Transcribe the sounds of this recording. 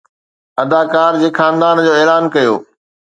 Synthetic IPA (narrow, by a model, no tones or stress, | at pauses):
ɐd̪aːkaːɾd͡ʑeːkʰaːnd̪aːnd͡ʑoːeːlaːnkɐjo̰ː